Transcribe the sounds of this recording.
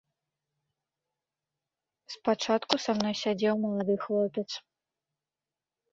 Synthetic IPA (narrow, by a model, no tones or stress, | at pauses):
spat͡ʂat̪kusamnɔjsʲad͡zʲɛwmɐlˠad̪ɨxlˠɔpʲɛt̪s